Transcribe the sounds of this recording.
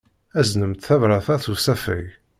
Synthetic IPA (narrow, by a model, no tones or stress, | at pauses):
æznəmt̪θævɾaθæθusæfə̰j